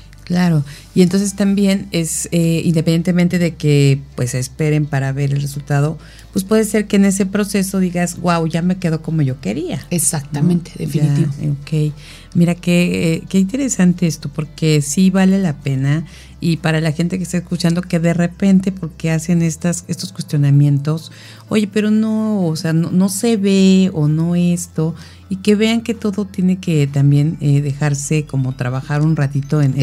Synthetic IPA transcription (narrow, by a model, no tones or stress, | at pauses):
klaɾo̞ | ient̪ons̬e̞st̪ambje̞ne̞seḭnd̪epenjent̪emẽ̞nt̪e̞ðe̞ke̞pwe̞se̞spe̞ɾe̞mpaɾaβe̞ɾe̞lresult̪að̞o̞ | pwe̞spwe̞ðese̞ɾke̞ːne̞s̬e̞pɾo̞se̞so̞ðiɣazɡwawʝame̞ke̞ðo̞ko̞mo̞ʝo̞ke̞ɾiaesak̚t̪amẽnt̪eðefiaitiβooke̞j | miɾake̞ke̞int̪e̞ɾe̞sant̪e̞est̪o̞po̞ɾke̞siβale̞lape̞na | ipaɾalaxe̞nt̪e̞k̬e̞st̪aeskut͡ʃand̪o̞ke̞ðe̞re̞pe̞nt̪e̞po̞ɾke̞ase̞ne̞st̪ase̞st̪o̞skwest̪jo̞namje̞nt̪o̞s | o̞̰ʝe̞pe̞ɾo̞no̞ːseano̰no̞se̞βe̞ono̞e̞st̪o̞ | ike̞βe̞aŋke̞t̪o̞ðo̞t̪je̞ne̞ke̞t̪ambje̞neðe̞xaɾse̞ko̞mo̞t̪ɾaβaxaɾunrat̪it̪o̞en